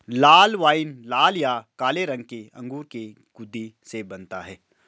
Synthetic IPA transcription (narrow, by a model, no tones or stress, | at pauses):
laːlʋaːɪnlaːljakaːleɾɐ̃ŋɡ̚keɐ̰̃ŋɡuːɾke | ɡ̥ʊd̪ʱːisebɐnt̪aɦɛː